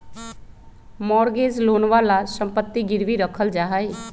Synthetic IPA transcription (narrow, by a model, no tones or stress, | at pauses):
mɔːɾɡeːd͡ʒloːnʋaːlasəmpət̪ːiɡɪɾʋiɾəkʰəld͡ʒaːɦaeː